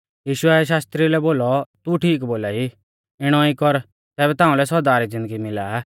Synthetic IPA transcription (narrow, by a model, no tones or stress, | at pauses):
jiːʃʊɛʃ̬aːst̪ɾilɛboːlɔt̪uʈʰiːk̬boːlai | ɪɽ̃ɔikɔɾ | t̪ɛːbɛt̪ãːũlɛsɔɾd̪aːɾid͡zɪ̃nd̪əɡimɪlaːa